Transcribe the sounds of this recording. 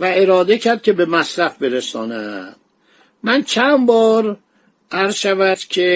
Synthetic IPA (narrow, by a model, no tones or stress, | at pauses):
væeɾɒːd̪ecʰæɾd̪̚cʰʲe̞be̞mæsɾæfbeɾesɒ̰ːnæ̰d̪̥ | mænt͡ʃʰænbɒːɾ | ʔæɾz̥ʃævæd̪̥cʰe